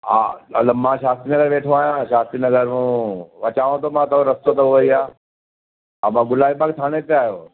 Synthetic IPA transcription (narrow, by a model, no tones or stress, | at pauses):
a̰ɐləmãʃaːst̪ɾinɐɡəɾʋeːʈʰoaːjãʃaːst̪ɾinɐɡəɾɦũʋɐt͡ɕaːʋõt̪ʰomãt̪ɐɾɐst̪ot̪ɐoʋɐiaː | amãɡʊlaːipakt̪ʰaːɽ̃ẽt̪eaːɦjoː